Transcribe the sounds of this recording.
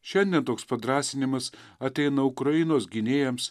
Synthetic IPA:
ʃʲɛnʲd̪ʲiɛnt̪oːkspɐd̪ɾɑːsʲɪnʲɪmɐsɐt̪ʲɛɪnɐʊkɾɐɪnoːsɡʲɪnʲeːjɛms

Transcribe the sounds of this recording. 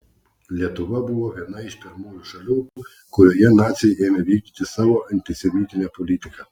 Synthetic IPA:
lʲɐt̪ɔʋɐbuʋˠɔʋʲjɛd̪nɐiʃpʲɛrmujuʃɐlʲukʊ | kɔjɔjɛnɑsʲijɛmɛʋʲikʲd̪ʲit̪ɪsɐʋɔʔɐnʲt̪ɪsʲɛmʲit̪ʲɪnʲɐpɔlʲit̪ɪkɐ

